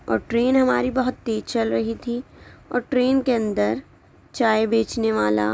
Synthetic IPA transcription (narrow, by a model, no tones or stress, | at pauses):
ɔ̰ːɾʈɾeːnɦɐmaːɾibɐɦʊt̪ːeːd͡ʒt͡ʃɐlɾɐɦit̪ʰiɔ̰ːɾʈɾeːnkeɐ̃nd̪əɾ | t͡ʃaːjebeːt͡ʃneʋaːla̰